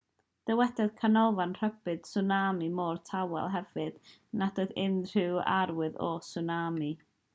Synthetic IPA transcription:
d̥ɛwɛdɛð̥kʰanɔlˠvanr̥əbɨd̥sʊnamimɔːrtʰawɛ̰lˠɦɛvɨd̥ | nadɔdɪnr̥ɪwa̰ɾwɨðɔ̰sunami

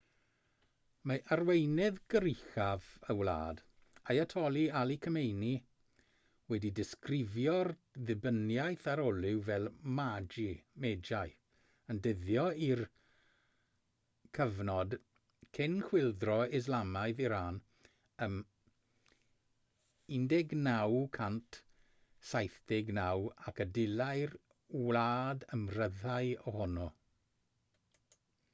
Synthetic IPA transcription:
maʔarwejnɪðɡəɾɪxavəwla̰ːd | ajatʰɔlˠialˠikʰəmejni | wɛdidɪskrɪvjɔr | ðɪbənjajθaɾɔlˠɪwvɛlˠmad͡ʒimɛd͡ʒaj | əndəðjɔir | kʰəvnɔd | kʰɪnkw̥ɪlˠdrɔɪzlamaɨðiɾaːn | əm | ɪndɛɡnawkʰantʰ | sajθd̥ɪɡnawakədɪlajr | wlaːdəmrəðaɨɔhɔnɔ

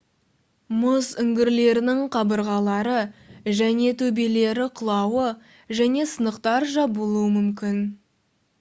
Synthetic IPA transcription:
mʊzʏŋɡʲɪɾle̞ɾɪnɪŋqʰɑbəɾʁɑlˠɑɾəʒæne̞t̪ʰɵbele̞ɾɪqʰʊlˠɑwə | ʒæne̞sənəqt̪ɑɾʒɑbolˠuəmʏmkʲɪn

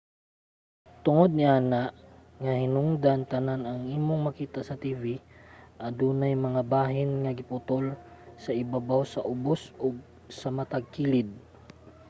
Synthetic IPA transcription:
t̪ʊŋod̪̚nɪʔaːnaʔ | ŋahɪnʊŋd̪ant̪ɐnanɐŋʔiːmoŋmɐkiːt̪asɐt̪iːviʔɐd̪uːnajmɐŋabaːɦɪnŋɐɡɪpʊt̪ol | sɐʔɪbabawsɐʔʊbosoɡ̚ | sɐmɐt̪aɡ̚kiːlɪd̪̚

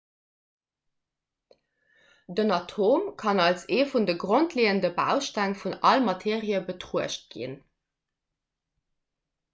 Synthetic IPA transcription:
dənɑtʰoːmkʰɑnɑlseːfundəɡʀontʰleːəndəbæ̰ʊʃtæŋfunɑlmɑtʰeːʁiəbətʁuəʃt̚ɡ̥ḭn

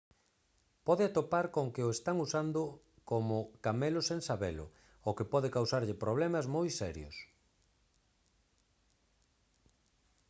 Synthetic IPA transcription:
pɔðɪat̪opaɾkoŋkɪoest̪aŋusand̪ʊ | komʊkamelʊseŋsaβɛ̰lʊ̰ | okɪpɔðɪkawsaɾʎɪpɾoβ̞lɛmɐzmojsɛɾjʊ̰s

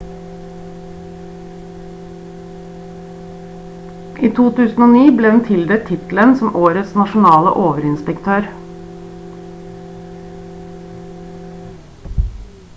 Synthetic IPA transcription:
ʔiːt̪ʰuːt̪ʰʉːsn̩oːniːbleːd̪ɛn̩t̪ʰɪld̪ɛt̪ʰːɪt̪l̩ənsɔmʔoːɾət̪snɑʃʊnɑːlə̰ʔoːʋəɾɪnspɛkt̪ʰøːɾ

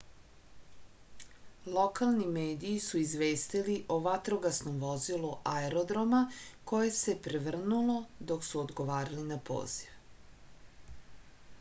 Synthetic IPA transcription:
lˠo̞kalˠnimeːd̪iːsuizʋe̞ːst̪iliʔoʋat̪ɾo̞ɡasnomʋo̞ziluʔaeɾod̪ɾomako̞je̞se̞pɾeʋr̩nulo̞d̪o̞ksuod̪ɡo̞ʋaːɾalinapo̰ːz̥iʋ

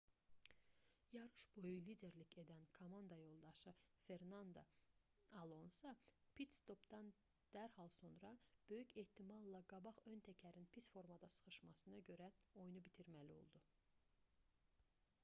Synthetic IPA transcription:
jɑɾɯʃb̥o̞julid̪e̞ɾlice̞d̪ænkʰomɑnd̪ɑjo̞lˠd̪ɑʃɯfe̞ɾnɑnd̪o̰ | ɑlˠo̞nsɑpʰit̪st̪o̞pd̪ɑn | d̪̥æɾhɑlˠso̞nɾɑb̥ø̞jycʰe̞ht̪ʰimɑlˠːɑɡɑbɑʁø̞nt̪ʰæcʰæɾinpʰisfo̞ɾmɑd̪ɑsɯ̥χɯʃmɑsɯnɑɟø̞ɾæo̞junubit̪ʰiɾmælio̞̰lˠd̪u

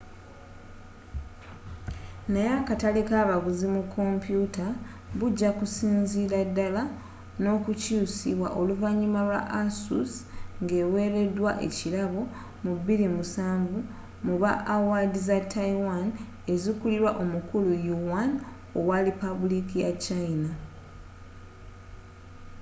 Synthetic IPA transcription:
najakatalekaːβaɡuzimukʰːo̞mpjuta | βuɟːakusiːnziɾadːala | no̞ːkucuːsiβwa̰ʔo̞luvaɲːumalwa̰ʔasṵsŋɡe̞ːwe̞ːɾe̞dwaʔe̞̰cilaβo̞ | mubːiɾimusaːɱvu | muβaʔawadizatːaiwan | e̞zikuliɾwaʔo̞mukulujuwan | owalipaβulikijat͡ʃaina

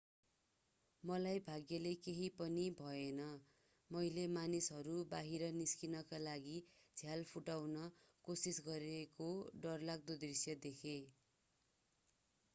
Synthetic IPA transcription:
mʌlajbʱaɡjʌlekeɦipʌnibʱʌenʌ | mʌjlemanisɦʌɾubaɦiɾʌniskinʌkalaɡid͡zʱjalpʰuʈawnʌ | kosisɡʌɾekoɖʌrlaɡ̚d̪od̪risjʌd̪ekʰe

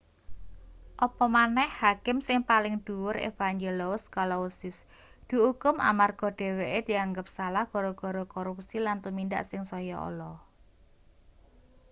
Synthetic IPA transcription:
ʔɔpɔmanɛhhakɪmsɪŋpalɪŋd̪̥ṳwʊɾḛfaŋd͡ʒelɔʊskalɔusɪs | d̪̥ṳukʊmʔa̰marɡ̥ɔ̤ɖ̥e̤weʔed̪̥i̤aŋɡəp̚salahɡ̥ɔ̤ɾɔɡ̥ɔ̤ɾɔkɔɾupsilant̪umind̪a̰ʔsɪŋsɔjɔɔ̰lɔ

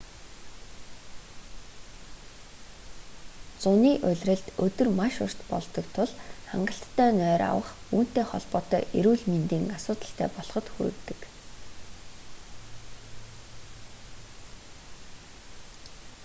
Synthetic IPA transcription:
t͡sʊniːʔʊɮʲrɘ̆ɮt̪ɵt̪ɵ̆rmaʃʊr̥t̪pɔ̰ɮt̪ɞ̆k̚t̪ʰʊɮχa̰ɴɢə̆ɬt̪ʰːœːnœːɾa̰wə̆χuːn̥t̪eːχɔ̰ɮpɔːt̪œːʔeɾuːɮment̪iːŋasʊːt̪ə̆ɬt̪ʰæːpɔɮ̥χɞ̆t̪xṵɾɘ̆kt̪ɘ̥̆k

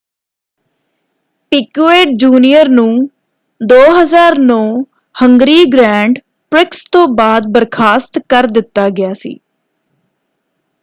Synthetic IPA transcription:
pɪkuːeːʈ̚d͡ʒuːnijəɾnũː | d̪oːɦəzaːɾnõː | həŋɡɾiːɡɾɛ̃ːɳɖ | pɾɪkst̪õːbaːd̪̚bəɾkʰaːst̪kəɾd̪ɪt̪ːaːɡɪjaːsḭː

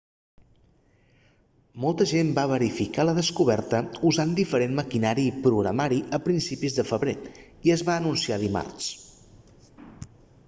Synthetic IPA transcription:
mɔlˠt̪əʒembaβ̞əɾifikaləðəskuβɛɾt̪əuzand̪ifəɾenməkinaɾipɾuɣɾə̰maɾiʔəpɾinsipizðəfəβɾe | iəzβaənunsiaðima̰rs

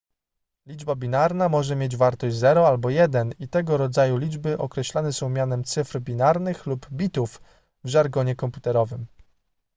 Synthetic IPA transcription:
lʲid͡ʐbabʲinaɾnamɔʐɛmʲjed͡ʑvaɾt̪ɔʑzɛɾɔalbɔjɛd̪ɛnit̪ɛɡɔɾɔd̪zajulʲid͡ʐbɘʔɔkɾɛɕlanɛsɔ̃w̃mʲjanɛmt̪sɘfɾbʲinaɾnɘxlubbʲit̪uf | vʐaɾɡɔɲɛkɔmput̪ɛɾɔvɘm

